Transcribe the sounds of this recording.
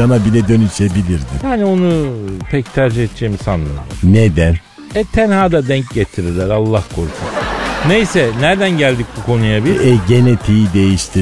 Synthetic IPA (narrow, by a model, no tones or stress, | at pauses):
anabilʲɛd̪ønyʃebilʲiɾd̪ijaːnio̞nupʰɛct̪ʰæɾd͡ʒihet̪̚d͡ʒejmisanlˠa̰ɾɯned̪æn | ɛt̪ʰænhaːd̪ad̪ɛɲcɟet̪ʰiɾilʲæɾalˠːahkʰoɾˠk̪ʰusunejsɛnæɾd̪ænɟælʲd̪ic̚bukʰo̞nujabilɛɟenet̪ʰijid̪e̞jiʃt̪ʰi